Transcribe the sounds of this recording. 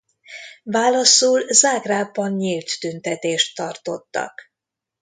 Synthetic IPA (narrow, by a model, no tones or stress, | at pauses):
vaːlɒsuːlzaːɡraːbɒnɲilt̪ːynt̪ɛt̪eːʃt̪ːɒrt̪o̞t̪ːɒ̰k